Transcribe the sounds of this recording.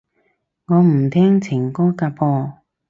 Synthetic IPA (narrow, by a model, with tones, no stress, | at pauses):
ŋɔː˨˧m̩˨˩t̪ʰɛː˥ŋt͡sʰɪ˨˩ŋkɔː˥kaː˧pɔː˧